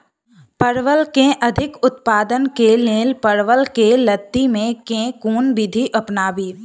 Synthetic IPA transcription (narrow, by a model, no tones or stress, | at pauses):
pəɾʋəlkẽʔɐd̪ʱɪkʊt̪paːd̪ənkelẽːlpəɾʋəlkelət̪ːimẽkẽːkuːnbɪd̪ʱiʔɐpnaːbiː